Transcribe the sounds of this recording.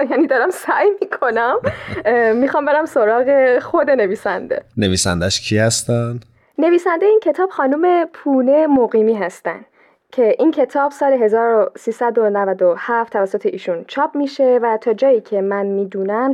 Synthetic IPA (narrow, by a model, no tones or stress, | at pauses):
jæniːd̪ɒːɾæmsæjmiːkʰo̞næm | mixɒːmbe̞ɾæmsoɾɒːɣexod̪e̞ne̞viːsænd̪e̞̰neviːsæ̰nd̪æʃcʰihæst̪ænd̪̥ | ne̞viːsænd̪ejeiːncʰe̞t̪ʰɒːb̥xɒːnuːme̞pʰuːne̞moɣiːmiːɦæst̪æ̰nd̪ | cʰe̞ʔincʰe̞t̪ʰɒːbsɒːle̞ɦe̞zɒːɾosiːsæd̪onævæd̪ohæft̪ʰːævæsːot̪ʰe̞ʔiːʃunt͡ʃʰɒːbmiːʃe̞væt̪ʰɒːd͡ʒɒːjiːcʰe̞mænmiːd̪uːnæm